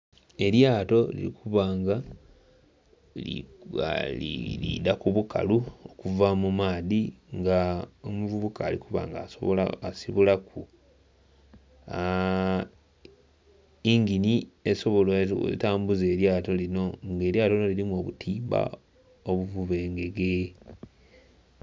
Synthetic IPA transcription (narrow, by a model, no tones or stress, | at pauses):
e̞ɾjaːto̞lḭɾḭkʰuβaːŋɡa | lḭa̰ḭlḭdakuβuka̰luokuvamumaːðiŋɡaomuvuβukaːlikuβa̰ːŋɡao̰asiβulakʰu | iŋɡinieso̞βo̞lo̰taːmbuze̞ːɾjaːto̞lino̞ŋɡe̞ːɾjaːtonoliɾimuo̞ːβutʰiːmba̰ | o̞βuvuβe̞ːŋɡe̞ɡe